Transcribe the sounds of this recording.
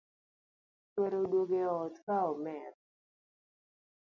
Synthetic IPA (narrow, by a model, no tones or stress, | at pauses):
tweɾodwoɡeɔt̪kaɔmɛt̚